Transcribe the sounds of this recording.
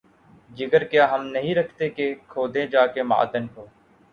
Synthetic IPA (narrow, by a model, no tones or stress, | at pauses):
d͡ʒɪɡəɾkjaːɦəmnəɦĩːɾəkʰt̪eːkeːkʰoːd̪ẽːd͡ʒaːkeːma̰ːd̪ənkoː